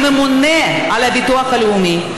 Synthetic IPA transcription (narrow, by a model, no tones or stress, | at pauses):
mɯmunːeɐlɐbit̪oɐkɐlumi